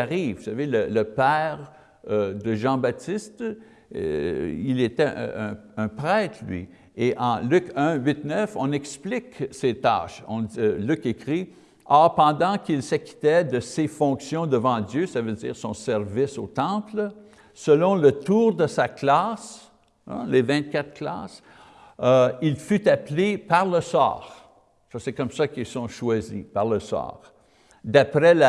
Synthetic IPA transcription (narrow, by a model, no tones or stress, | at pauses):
aʁivvu̥savelələpɛːʁ | d̪əʒɑ̃bat̪ist̪ | ḭlet̪ɛʔɛ̃pʁɛːt̪ʰlɥḭ | eʔɑ̃lykɛ̃ɥit̪nœfɔ̃nɛksplɪkset̪a̰ːʃɔ̰̃lykekʁi | ɔːʁpɑ̃d̪ɑ̃kilsəkʲi̥t̪ɛd̪əsefɔ̃ksjɔ̃d̪əvɑ̃d̪jøsavødd͡zḭːʁsɔ̃sɛʁvisot̪ɑ̃pl | səlɔ̃lət̪uːʁd̪əsaklas | levɛ̃t̪̚kʲat̪χkla̰ːs | ilfyt̪aplepaʁləsɑ̰ːʁ | fɑsɛkɔmsakilsɔ̃ʃwazḭpaʁləsɑ̰ːʁ | d̪apʁɛla